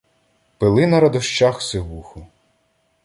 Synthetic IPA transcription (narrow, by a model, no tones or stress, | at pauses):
pelˠɪnɐɾɐd̪ɔʃt͡ʃaxseɦuxʊ